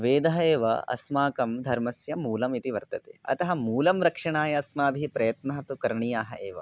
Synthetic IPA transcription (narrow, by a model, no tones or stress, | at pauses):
ʋeːd̪ɐɦɐeːʋɐ̰ɐ̰smaːkɐmd̪ʱɐɾmɐsjɐmuːlɐmit̪iʋɐɾt̪ɐt̪ḛːɐ̰t̪ɐɦɐmuːlɐmɾɐkʂɐɳaːjɐɐsmaːbʱipɾɐjɐt̪nɐaːɐt̪ukɐɾɳijaːɦɐeːʋɐ̰